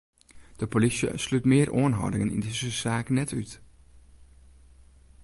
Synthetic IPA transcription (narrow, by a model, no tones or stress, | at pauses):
d̪̥əpʰolɪsə̰slʉt̪meːɾʔoːnɦɑ̰ːdɪŋənḭd̪ɪsəsaːknɛtʰʉːt̪